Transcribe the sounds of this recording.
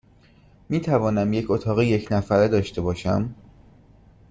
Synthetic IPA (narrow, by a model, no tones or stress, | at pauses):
miːt̪ʰævɒːnæmje̞cʰo̞t̪ʰɒːɣejecʰnæfæɾed̪ɒːʃt̪e̞bɒːʃæ̰m